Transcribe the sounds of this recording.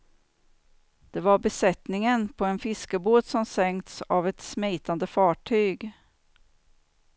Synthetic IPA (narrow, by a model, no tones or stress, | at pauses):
d̪̥ɛvaɾbɛsɛt̪nɪŋənpʰɔɛnfɪskəboːt̪sɔmsɛŋt̪savɛt̪smɛjt̪and̪əfɑːʈʰyːɡ